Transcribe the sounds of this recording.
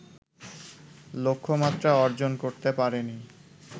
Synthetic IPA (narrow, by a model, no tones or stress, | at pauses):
lokʰːomat̪ːɾaɔɾd͡ʑonkoɾt̪epaɾeni